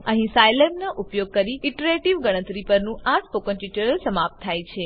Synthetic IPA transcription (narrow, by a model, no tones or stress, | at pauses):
ə̃ɦĩsajlemnaʔupjoɡ̚kəɾiɪʈəɾeʈiʋɡəɽ̃ət̪ɾipəɾnũʔaʈʰpokənʈjut͡ʃəɾəlsəmap̚t̪ʰːajt͡ʃʰe